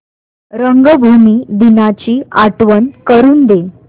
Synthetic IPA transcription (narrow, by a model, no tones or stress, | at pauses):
ɾəŋɡəbʱumiːd̪inat͡ɕiːaʈʋənkəɾuːnd̪e